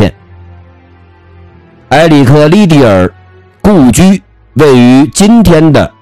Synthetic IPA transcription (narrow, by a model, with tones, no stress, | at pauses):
ɛ̰˥˩n | a˧˥ɪli˨˩kʰɤ˥˧li˥t̪̬i˥˩ə̰˞˨˩˦ | ku˥˩t͡ɕy˥ | we˥˩ɪy˧˥t͡ɕi˥nt̪ʰjɛ˥nd̪ə̰˨